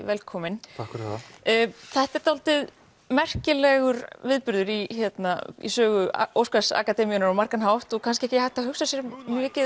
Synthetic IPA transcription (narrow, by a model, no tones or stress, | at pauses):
vɛlkʰɔːmɪnakɾ | θɛht̪ɛɾt̪awlt̪ɪð | mɛr̥cɪlɛɣʏɾvɪðpʏɾðʏɾiçjɛt̪naḭsœːɣʏowskasa̰kat̪ɛmiʏnaɾawmar̥kanɦawht̪ɔkʰanscɪɛcɪhajht̪aɦʏxsasjɛɾmjœːcɪ